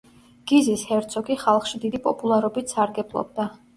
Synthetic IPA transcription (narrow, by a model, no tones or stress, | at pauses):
ɡ̥izishɛɾt̪sʰɔkʰʼiχalˠχʃid̪id̪ipʼɔpʼulˠaɾɔbit̪ʰsaɾɡɛblˠɔ̰b̚d̪a